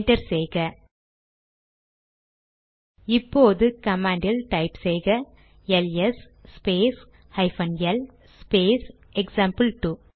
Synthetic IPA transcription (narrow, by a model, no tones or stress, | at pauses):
ɳʈɐɾsɛjɣɐ | ɪpːoːðɯkɐmãːɳɖɪlʈɐɪpsɛjɣɐ | ɛlɛs | sːpeːs | hɐɪfɐnɛl | speːs | ɛksaːmpɨlʈu